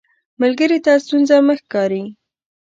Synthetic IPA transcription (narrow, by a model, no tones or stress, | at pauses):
məlɡəɾit̪ast̪unzaməxkɑɾi